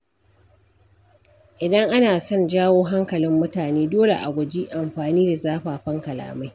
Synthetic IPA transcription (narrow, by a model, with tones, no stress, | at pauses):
ʔɪ˨dɐ˦ŋʔa˦naː˨sɔ˦˨nd͡ʒaː˦woː˦ɦa˦ŋkɐ˨lɪ˦mːʊ˦taː˨neː˦doː˦lḛ˨ʔa̰˨ɡʷʊ˨d͡ʒiː˦ʔa˨mɸaː˨niː˦da˨zaː˦ɸaː˨ɸɐ˦ŋkɐ˨la̰ː˨ma˦j